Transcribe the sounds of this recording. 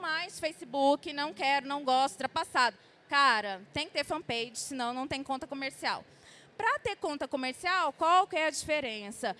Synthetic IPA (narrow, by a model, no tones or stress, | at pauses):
majsfejsɪbukɪnɐ̃w̃kɛɾʊnɐ̃w̃ɡɔst̪ʊ̥t̪ɾɐpasad̪ʊ | kaɾɐt̪ẽj̃kɪt̪eɾfɐ̃pejd͡ʒɪsɪnɐ̃w̃nɐ̃w̃t̪ẽj̃ɲʊkõnt̪ɐkomeɾsia̰w | pɾɐt̪eɾkõnt̪ɐkomeɾsiawkwawwkɪɛɐd͡ʒifeɾẽsɐ